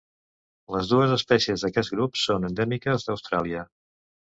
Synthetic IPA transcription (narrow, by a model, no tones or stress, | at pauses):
ləzðuəzəspɛsiəzðəkɛt̪ɡɾupsonənd̪ɛmikəzðəwst̪ɾalˠiə